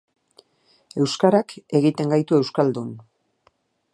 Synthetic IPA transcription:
e̞wskaɾake̞ɣit̪e̞ŋɡajt̪ue̞wskald̪un

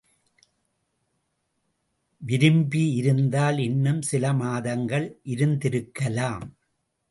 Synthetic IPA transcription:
ʋɪɾɯmbiɪɾɯnd̪aːlɛnːɯmsɪlɐmaːðɐŋɡɐɭʔɪɾɯnd̪ɪɾɯkːɐlaːm

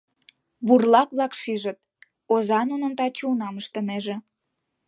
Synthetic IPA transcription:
βurlɑkβlɑkʃiʒət̪̚ | ozɑnunənt̪ɑt͡ɕunɑməʃt̪ə̆meʒĕ

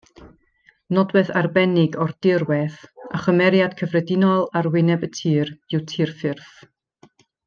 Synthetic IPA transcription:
nɔdwɛðarbɛnɪɡɔrd̥ɪrwɛθaχəmɛɾjad̥kʰəvrɛdɪnɔlˠarwɪnɛbətʰiːrɨwtʰiːrfɪrθ

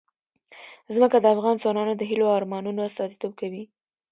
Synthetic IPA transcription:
zməkad̪əafɣɑnzwɑnɑnod̪əɦiloɑɾmɑnunoast̪ɑzit̪ob̚kawi

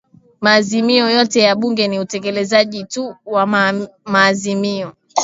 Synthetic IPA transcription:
maːzimiɔjɔtɛjaɓuŋɡɛniutɛkɛlɛzaʄituwamaːzimiɔ

